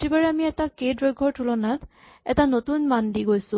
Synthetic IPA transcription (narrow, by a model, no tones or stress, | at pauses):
tibaɹɛamiɛtakejdɹɔjɡʱɔɹtʰulɔnat | ɛtanotunmandiɡojsʊ̃